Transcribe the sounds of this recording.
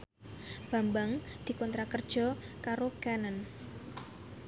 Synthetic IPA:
b̥a̤mbaŋd̪̥i̤kɔnt̪ɾakərd̥ʒ̥ɔ̤kaɾoɡ̥anan

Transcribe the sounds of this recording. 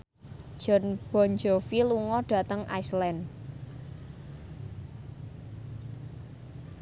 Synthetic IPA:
ʒ̥ɔ̤nb̥ɔ̤nd͡ʒɔfiluŋɔɖ̥ä̤t̪əŋʔa̰jslɛn

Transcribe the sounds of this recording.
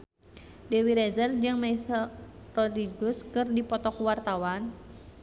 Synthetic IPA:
dewiɾezərd͡ʒɨŋmaisərɔd̪ɾiɡɔskɨrdipɔt̪ɔkwart̪awan

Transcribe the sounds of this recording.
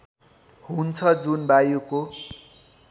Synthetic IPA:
hunt͡sʰʌd͡zunbajuko

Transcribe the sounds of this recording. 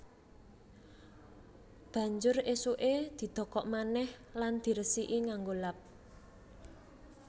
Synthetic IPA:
b̥ä̤ɲd͡ʒʊresuʔed̪̥i̤d̪̥ɔ̤kɔʔmanɛhland̪̥i̤ɾəsiʔiŋaŋɡolap̚

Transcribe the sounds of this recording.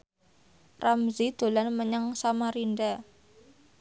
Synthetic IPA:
ramzid̪̥o̤lanməɲaŋsamaɾinɖa

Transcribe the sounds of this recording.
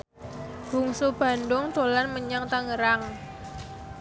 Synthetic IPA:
b̥ṳŋsub̥a̤ndʊŋt̪olanməɲaŋt̪aŋəɾaŋ

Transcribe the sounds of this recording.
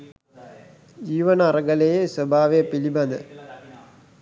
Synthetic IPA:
d͡ʑiːʋɐnɐːrɐɡɐlejeswɐbʱaːʋepilibɐnɨ

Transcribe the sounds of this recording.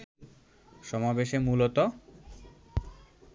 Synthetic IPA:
ʃɔmabeʃemulot̪o

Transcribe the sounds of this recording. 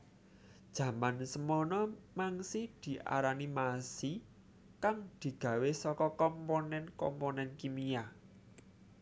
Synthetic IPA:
d̥ʒ̥ä̤mansəmɔnɔmaŋsid̪̥i̤ʔa̰ɾanimasi | kaŋd̪̥i̤ɡ̥ä̤wesɔkɔkɔmponɛnkɔ̰mpɔnɛnkimia

